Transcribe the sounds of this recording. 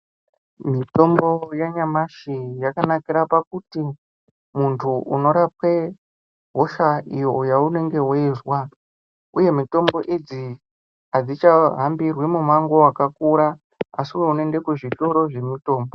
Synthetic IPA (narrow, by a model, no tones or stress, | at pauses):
mito̞mbo̞jaɲamaʃijakanakiɾapak̚uti | muntʰuuno̞ɾapwe̞ | ɦoʃaijojaune̞ŋɡe̞ɦwoizwa | uje̞mito̞mbo̞ʔed͡zi | ad͡zit͡ʃaɦambirwemumaŋɡoakakuɾa | asiuweune̞nde̞kuʐito̞ɾo̞ʐe̞mito̞ːmbo